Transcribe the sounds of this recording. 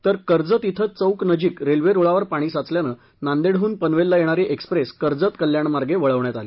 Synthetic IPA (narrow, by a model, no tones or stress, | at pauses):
t̪əɾkəɾd͡zət̪it̪ʰət͡səwknəd͡ʑiːkɾelʋeɾoɭaʋəɾpaɽ̃iːsat͡sljanə | nand̪eɽ̤ɦuːnpənʋelːajeɽ̃aɾiʔekspɾeskəɾd͡zət̪kəljaɳmaɾɡeʋəɭəʋɳjat̪ali